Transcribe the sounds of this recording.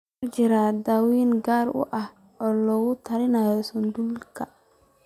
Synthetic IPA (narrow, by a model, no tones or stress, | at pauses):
mɐrt͡ʃɪɾaːd̪aːwiːnɡaːrʊ̰ʔɐh | ɔːlɔːɣʊt̪ʰɐɾɪnaːjɔsɐnd̪ulkʰɐ